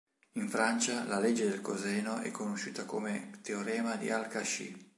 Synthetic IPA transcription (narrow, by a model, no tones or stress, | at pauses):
iɱfɾant͡ʃalaled͡ʒːed̪elkozɛːnoʔɛ̰kʰːonoʃuːt̪ako̰met̪eoɾɛːmad̪ḭalkaʃḭ